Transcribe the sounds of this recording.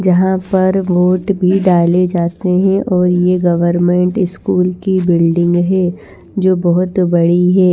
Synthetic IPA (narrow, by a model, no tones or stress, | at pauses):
d͡ʒɐɦãpɐɾʋoːʈbʱiɖaːled͡ʒaːt̪eɦɛ̃ʔɔːɾjeɡɐʋəɾmẽːɳʈɪskuːlkibɪlɖɪ̃ŋɡɦɛː | d͡ʒoːbɔɦʊt̪bɐɽiɦɛː